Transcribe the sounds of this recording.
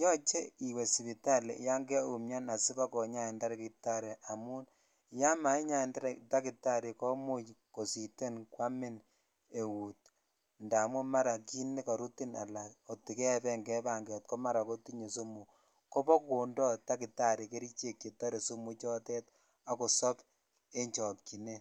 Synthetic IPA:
jɔ˦t͡ʃe˦i˨we˨si˨pi˨ta˦lḛ˨ja˦ŋɡɛ˦u˨mɲa˦na˨sɪ˦ba˦kɔ˨ɲa˦i˨nda˦ɾe˨ki˨ta˦ɾe˨a˨mu˦n | ja˦ma˨˦i˦ɲa˦ɪ˨nda˦ɾta˦kɪ˨ta˦˨ɾi˨kɔ˦mu˦jko˨si˨te˦nkwa˦mɪ˦n | e˨wu˨t̚ | nda˨mu˦ma˦ɾa˨ki˦ne˦ka˨ɾu˦ti˦na̰˨la˨o˨ti˨kɛ˦pɛ˦ŋɡɛ˦ba˨ŋɡɛ˨t̚kɔ˦ma˦ɾa˨ko˦ti˦ɲe˨so˦mu˨ | ko˦pɔ˦ku˨ndɔ˦ta˦kɪ˨ta˦ɾe˨ke˦ɾi˦t͡ʃe˦ke˨ta˦ɾe˨su˦mu˦t͡ʃɔ˦tɛ˦t | a˨ko˨sɔ˦p | e˦ɲt͡ʃɔ˨t̚ki˨ne˦

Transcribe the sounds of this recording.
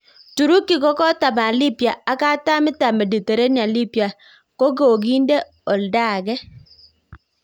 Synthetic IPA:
tu˨ɾu˦ki˨kɔ˦kɔ˦ta˨ma˨li˦pja˨a˦ka˦ta˦mɪ˦ta˨me˨di˨te˨ɾe˦ni˨a˨li˦pja˨ | ko˦ɡo˨o˨ɡi˦n˦de˦ | ɔ˨lda˦˨ɡɛ˦

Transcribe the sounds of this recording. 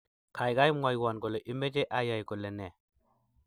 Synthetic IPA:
kʰa˨jɡa˦jmwa˨jwa˨nɡo˨le˨ʔi˦me˦d͡ʒe˦ʔa˦ja˨jko˨le˨nɛ˨

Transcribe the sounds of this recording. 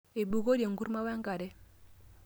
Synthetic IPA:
e˨bu˨ɣo˦dje˨ŋɡu˦ɾma˦wa˦ŋɡa˨ɾɛ˦

